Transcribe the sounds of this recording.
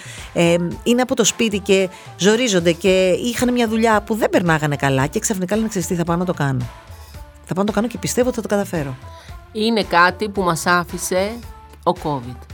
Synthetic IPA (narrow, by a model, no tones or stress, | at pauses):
eine̞ɐpo̞t̪o̞spit̪ice̞ | zo̞ɾizo̞nd̪e̞ceixɐnemɲɐðuʎɐpuðe̞mbe̞ɾnɐɣɐne̞kɐlɐce̞ksɐfnikɐlenekseist̪iθɐpɐnnɐt̪o̞kɐno | θɐpɐnɐt̪okɐnocepist̪eot̪iθɐt̪okɐt̪ɐfe̞ɾoine̞kɐt̪ipumɐsɐfise̞ | oko̞vid̪̥